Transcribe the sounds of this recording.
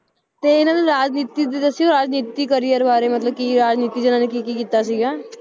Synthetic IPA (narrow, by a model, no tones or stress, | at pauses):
t̪eːɪnãd̪eɾaːd͡ʒniːt̪id̪et̪asiːɡoɾaːd͡ʒniːt̪ikəɾijəɾbaːɾemət̪ləb̚kiːɾaːd͡ʒniːt̪id͡ʒenãːnekikikiːt̪asiːɡaː